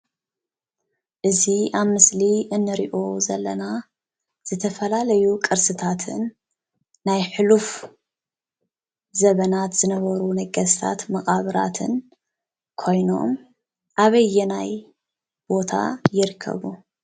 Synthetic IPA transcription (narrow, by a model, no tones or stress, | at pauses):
ʔɨziʔaβmɨsliʔɨnːɨɾiʔo̞zɐ̰lːɐna | z̥ɨt̪ʰɐfɐlalɐjukʼɨɾsɨt̪ʰat̪ʰɨ̰nː | ajħɨluf | zɐβɐnat̪z̥ɨnɐβɐɾunɐɡɐst̪ʰa̰t̪mɐχʼaβɨɾa̰t̪ʰɨn | kʰo̞jno̞̰m | ʔaβɐjːɛnaj | b̥o̞t̪ʰa̰jɪɾɨkʰːɐ̰βu